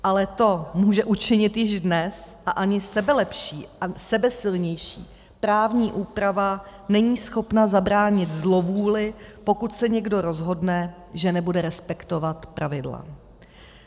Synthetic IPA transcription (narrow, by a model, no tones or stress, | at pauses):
ʔalɛt̪o̞muːʒɛʔut͡ʃɪɲɪt̪jɪʒdnɛsʔaʔaɲɪsɛbɛlɛpʃiːasɛbɛsɪlɲɛjʃiː | pɾaːvɲiːʔuːpɾava | nɛɲiːsxo̞pnazabɾaːɲɪt̪zlo̞vuːlɪpo̞kut̪sɛɲɛɡdo̞ɾo̞zɦo̞dnɛ | ʒɛnɛbudɛɾɛspɛkt̪o̞vat̪pɾʔavɪdla̰